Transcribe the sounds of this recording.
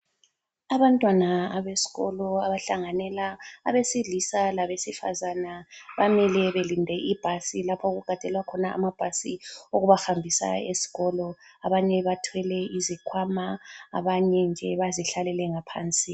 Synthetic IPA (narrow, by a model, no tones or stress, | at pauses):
aβantʼwanaːβesi̥ɣɔ̰lɔaβaɬaŋanɛla̰ːβesiɮisalaβesifa̰zanaβamɛlɛβelindʱɛʔib̥ʱasilapʰaoɣuɡ̥ʱad̥ʱɛlwakʰɔnaʔa̰mab̥ʱasioɣuβaxambʱisa̰ḛsi̥ɣɔlɔaβaɲɛβatʰwɛlɛizikʰwamaa̰βaɲɛnd͡ʒʱɛβaziɬalɛlɛŋapʰa̰ːnt͡sʼi